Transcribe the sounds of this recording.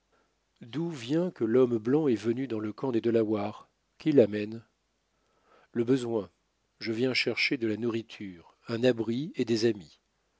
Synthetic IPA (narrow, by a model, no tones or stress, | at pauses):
d̪uvjɛ̃kəlɔmblɑ̃ɛvənyd̪ɑ̃ləkɑ̃d̪ed̪əlawaʁ | kʲilamɛn | ləbəzwɛ̃ | ʒəvjɛ̃ʃɛʁʃed̪əlanuʁit̪ʰyʁɛ̃nabʁied̪ezami